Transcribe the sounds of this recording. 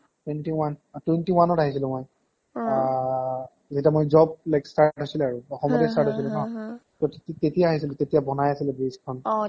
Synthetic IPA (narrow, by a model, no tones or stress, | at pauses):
twentiwantwentiwanɔtaɦisilʊ̃mɔj | zetiamojzɔb̚lajkstaʈɦosilɛaɹuɔxɔmɔtɛjstaɹtɦojs̬ilũkãtɔttitetijaːɦis̬ilʊ̃tetijabɔnajasilɛbiskʰɔn